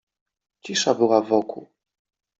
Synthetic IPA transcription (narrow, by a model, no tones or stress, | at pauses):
t͡ɕiʂabɘwavɔkʰṵ